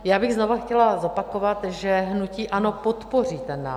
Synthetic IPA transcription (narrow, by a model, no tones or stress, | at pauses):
jaːbɪɣzno̞vaxcɛlazo̞pakovat̪ʒɛɦnuciːʔano̞po̞t̪po̞riːt̪ɛnːa̰ː